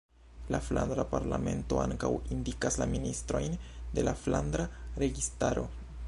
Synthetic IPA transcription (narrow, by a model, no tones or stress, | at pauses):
lafland̪ɾapaɾlame̞nto̞aŋkawindikaslaministɾo̞jnde̞lafland̪ɾaɾe̞ɡistaɾo̞̰